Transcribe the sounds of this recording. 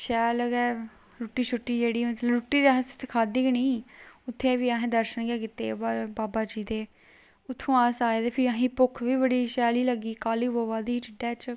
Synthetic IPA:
ʃɛːləɡɛː | ɾuʈːiːt͡ʃʰʊʈːiːd͡ʒeːɽiːmət̪ləɾuʈːiːd̪eaːɦẽst̪ʰːkʰaːd̪iːkniːʊt̪ʰːeːʋiːaːɦẽːd̪əɾʃənɡɛːkɪt̪eːbaːbaːd͡ʒiːd̪eː | ʊt̪ʰːõːaːsaːeːd̪eːpʰɪɾaɦĩːpʊkʰʋiːbəɽiːʃɛːliːləɡiːkaːliːboːʋaːd̪iːiːʈɪɖɛːt͡ʃ

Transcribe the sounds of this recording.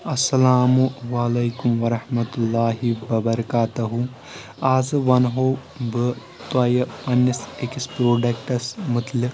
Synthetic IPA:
ɐsːɐlaːmuʋɐːlɐjkumʋɐɾɐhmɐt̪ulːaːɦiʋɐbɐɾɐkaːt̪ɐɦu | aːzʋɐnɦoː | bɨ | t̪ɐjɐpɐnːisekispɾoːɖɐkʈɐsmɨt̪lik

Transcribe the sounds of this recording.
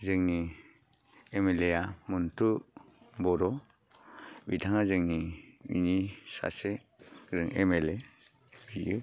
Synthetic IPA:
zɯŋni | emelejamuntu | bɔɾɔ | bitʰaŋazɯŋnibḭnisa̰se | ɡɾɯŋemele | bijɯ

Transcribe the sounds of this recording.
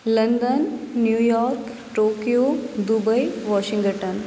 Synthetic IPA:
lɐnd̪ənːjuːjɔːɾk | ʈoːkijod̪ubəjʋɔːʃĩŋɡəʈən

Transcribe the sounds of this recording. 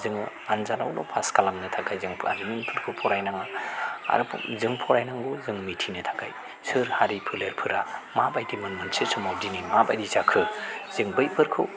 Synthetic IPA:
zɯŋ | anzanawnɔ̰pʰaskalamnɯtʰakajzɯŋpʰa̰zɯminpʰɯɾkʰɯpʰɔɾajnaŋɯa̰ɾʰzɯŋpʰɔɾajnaŋɡuzɯŋmitʰinɯtʰḁka̰j | sɯɾhaɾipʰɯleɾpʰɯɾamabajdimɯnmɯnsɯsɔmawdinimabajdizakʰɯz̥ɯŋbɯjpʰɯɾkʰɯw

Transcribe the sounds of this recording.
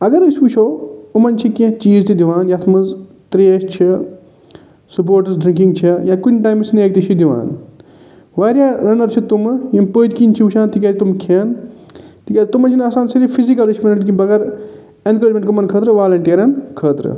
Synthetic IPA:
ɐɡɐɾsuːt͡ʃʰoːumɐnt͡ʃʰikẽt͡ʃiːzt̪id̪iʋaːnjat̪ʰmɐnz | t̪ɾeːʃt͡ʃʰi | sup̬oːɾʈzɖɾĩŋkĩŋɡt͡ʃʰijãːkunʲʈaːjmsneːk̚t̪it͡ʃʰid̪iʋa̰ːn | ʋaːɾijaːɾɐnɐɾt͡ʃʰit̪umjĩpəːd̪kint͡ʃʰiut͡ʃʰãːnt̪ikʲaːt̪umkʰeːn | t̪ikʲaːzt̪umɐnt͡ʃʰinaːsaːnsɐɾipʰizikɐliʃmɐnɐʈkibɐɣeɾ | enkəd͡ʒmẽɳʈkumɐnkʰəːt̪ɾɨʋaːlɐɳʈiːɾɐnkʰəːt̪ɾɨ̰

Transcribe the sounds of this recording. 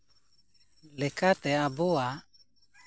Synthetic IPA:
lɛkat̪ɛabɔa

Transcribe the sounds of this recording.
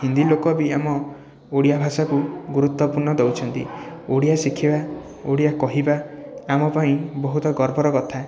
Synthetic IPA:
hind̪ilokɔbiamɔ | oɽijabʱasakuɡuɾut̪wɔpuɾɳɔd̪ewt͡ʃʰɔnt̪ḭoɽijasikʰiba | oɽijakɔɦibaamɔpaĩbɔɦut̪ɔɡɔɾbʱɔɾɔkɔt̪ʰa

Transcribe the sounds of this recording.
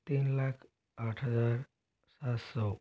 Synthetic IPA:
t̪iːnlakʰ | aʈʰɦəd͡zaɾ | sat̪sɔ

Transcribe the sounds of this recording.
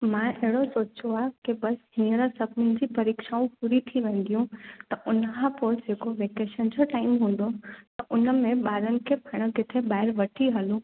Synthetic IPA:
mãʔeɦɪɽosoːt͡ɕoaːɦkebɐsɦĩːəɾəsɐbnɪnɪ̆d͡ʑipɐɾiːkʃaːũpʊɾit̪ʰiʋẽːn̆d̪ijũt̪ɐʔʊnəɦapoɾd͡ʑeːkoʋeːkeːʃənd͡ʑoʈaːɪmɦũːn̆d̪ot̪ɐʔʊnə̆mẽɓaːɾənɪ̆kʰepʰɐɽ̃ə̆ɡɪt̪ʰebaːɦɪɾʋɐʈʰiɦɐlũː

